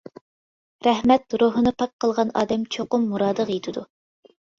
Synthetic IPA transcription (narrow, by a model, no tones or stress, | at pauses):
ɾɛhmɛt̪ɾuɦɨnɨpʰɑt̪̚qʰəlˠʁɑnɑ̰ːd̪ɛmt͡ʃʰoqʊmːuɾɑːd̪əʁjet̪ʰɪd̪u